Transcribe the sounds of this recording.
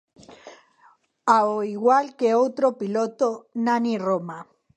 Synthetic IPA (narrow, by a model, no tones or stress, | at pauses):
aoiɣwalkeowt̪ɾopilot̪onaniroma